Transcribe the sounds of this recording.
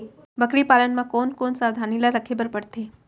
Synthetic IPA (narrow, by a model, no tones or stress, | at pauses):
bəkɾipalənmãkonkonsaʋd̪ʱanilaɾəkʰebəɾpəɽt̪e